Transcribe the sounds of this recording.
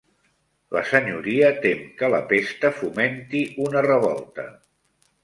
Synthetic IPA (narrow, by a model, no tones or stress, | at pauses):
lə̰səɲuɾiət̪emkələ̰pest̪əfument̪iunərəβɔ̰lˠt̪ə̰